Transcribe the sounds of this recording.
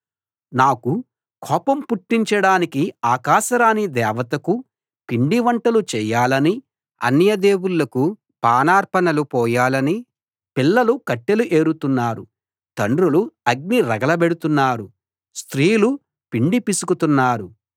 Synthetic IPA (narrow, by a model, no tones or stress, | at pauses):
naːku | kʰɔːpɐmpuʈːiɲt͡ʃɐɽaːnikiaːkaːʃɐɾaːnid̪ɛːʋɐt̪ɐku | piɳɖiʋɐɳʈɐlut͡ʃɛːjaːlɐni | ɐ̰nːjɐd̪e̞ːwulːɐku | paːnaːɾpɐnɐlupɔːjaːlɐni | pilːɐlukɐʈːeluʔe̞ːɾut̪unːaːɾu | t̪ɐɳɖɾuluɐɡ̚niɾɐɡɐlɐbeɽut̪unːaːɾu | st̪ɾiːlu | piɳɖipisukut̪unːaːɾu